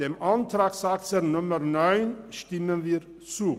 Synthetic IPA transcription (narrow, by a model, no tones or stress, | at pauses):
d̥eːmʔantɾaːksaːk̚tsənʊməɾnɔʏnʃtɪmənviːɾ | t͡suː